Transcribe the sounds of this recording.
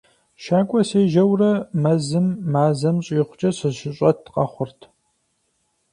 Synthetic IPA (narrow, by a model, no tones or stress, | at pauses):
ʃaːkʷʼɔseːʒɐwrɐmɐzɨmːaːzɐmɕʼɪχʷʊ̥t͡ʃʼɐɕɨzʃɪɕʼɐtqɐχʷʊrtʰ